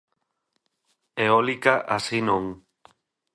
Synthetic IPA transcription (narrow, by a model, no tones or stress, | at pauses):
eɔlikaʔasinõŋ